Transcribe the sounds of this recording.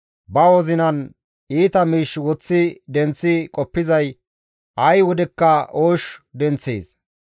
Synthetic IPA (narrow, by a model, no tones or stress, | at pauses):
bɐwɔzɪnɐn | iːt̪ɐmiːʃwɔt͡sːɪd̪ɛnt͡sːɪkʼɔpːɪzɐj | ʔɐjwɔd̪ɛkːɐʔoːʃd̪ɛnt͡sːḛːs